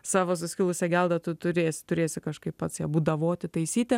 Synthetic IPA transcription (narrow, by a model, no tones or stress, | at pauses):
sɑːʋoːs̬ʊsʲkʲɪlˠʊsʲɛɡʲɛlˠd̪ɐt̪ʊt̪ʊɾʲeːsʲɪ̥t̪ʊɾʲeːsʲɪkɐʃkɐɪppɐt̪sjɛbuːd̪ɐʋoːt̪ʲɪt̪ɐɪsʲiːt̪ʲɛ